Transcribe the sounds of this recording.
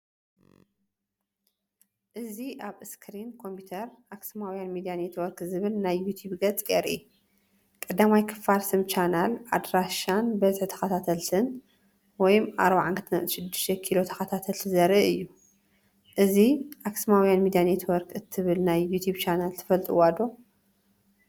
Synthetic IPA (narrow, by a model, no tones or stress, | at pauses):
ʔɨziʔaβɨskʰɾinkʰo̞mpʰut̪ʰɐɾʔaksmawjanmid̪ijanet̪ʰwɔɾkzɨβɨlnajːut̪ʰjubɡɐt͡sʼeɾḭ | kʼɐd̪amajkʰɨ̥falsɨmt͡ʃʰanalʔad̪ɾaʃanbɐzħt̪ʰɐ̥xɐt̪ʰat̪ʰɐlt̪ʰɨn | wɔjmʔa̰ɾbaʕankʰɨt̪ʰɨnɐʔʼʃɪd̪ːɨʃt̪ʰɛkʰilo̞t̪ʰɐ̥xɐt̪ʰat̪ʰɐlt̪ʰɨzɐɾiʔɨjːu | ʔɨziʔaksmawjanmid̪ijanet̪ʰwɔɾkʰɨt̪ʰːɨβɨlnajːut̪ʰjubt͡ʃʰanalt̪ʰɨ̥fɐlt̪ʼiwad̪o̞